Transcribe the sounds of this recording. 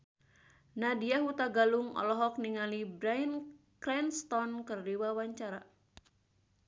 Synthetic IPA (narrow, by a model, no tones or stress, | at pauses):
nadiaɦut̪aɡaluŋɔ̰lɔɦɔk̚niŋalibɾain | klɛnst̪ɔnkɨrdiwawaɲt͡ʃaɾa